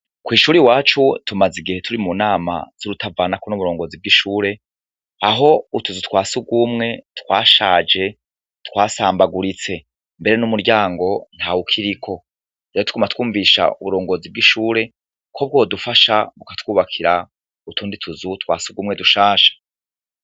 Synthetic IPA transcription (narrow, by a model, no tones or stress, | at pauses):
kwiːʃuːɾiwaːt͡ʃutʰumaziɡihe̞tʰuɾimunaːma̰z̥uɾutʰavaːnakonuβuɾo̞ːŋɡo̞zib̚ɡiʃuːɾe̞ | aɦo̞utuzutwaːsuɡumŋe̞tkwaːʃaːd͡ʒe̞ | tkwaːsaːmbaɡuɾit͡se̞ | mbe̞ɾe̞numuɾɟaːŋɡo̞n̥hawukʰiɾikʰo̞ | ɾeːɾotu̥kumatkwuːɱviʃa̰ṵβuɾo̞ːŋɡo̞zib̚ɡiʃuːɾe̞ | kʰo̞b̚ɡodufaʃaβukatwuːβakʰiɾa | utʰuːnditʰuzutkwa̰ːsuɡuːmŋe̞duʃaːʃḁ